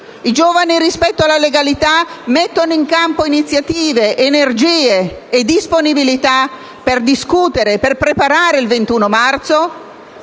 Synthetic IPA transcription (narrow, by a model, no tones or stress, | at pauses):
id͡ʒoːvaniɾispɛt̪ːoalaleɡalit̪amet̪ːonoiŋkampoinit̪sːjat̪iːveʔːnerd͡ʒiːeːd̪isponibilit̪a | perd̪iskut̪eɾeperpɾepaɾaːɾeilvent̪uːnomart̪so